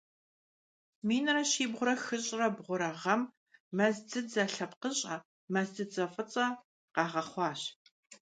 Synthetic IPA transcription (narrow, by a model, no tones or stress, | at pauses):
miːnɐrɐʃiːbʁʷʊɾɐxɨɕʼrɐbʁʷʊɾɐʁɐmː | ɐzd͡zɨzɐɬɐpqəɕʼɐ | mɐzd͡zɨd͡zɐfʼɨt͡sʼɐ | qɑːʁɐχʷɑːɕ